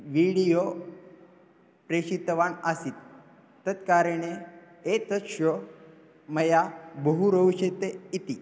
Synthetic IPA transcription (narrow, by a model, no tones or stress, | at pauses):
ʋiɽijo | pɾeɕit̪ʋaɳasiːt̪ː | ət̪kaɾiɳe | et̪əɕə | məjabəɦuɾəuɕet̪eit̪i